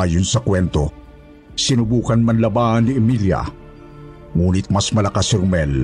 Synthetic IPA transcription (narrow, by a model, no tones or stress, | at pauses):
aːjonsɐkwɛnt̪o | sɪnʊbuːkɐnmanlɐbaːhɐnːiʔɪmilja̰ | ŋuːnɪt̪̚masmɐlakasɪɾʊmɛl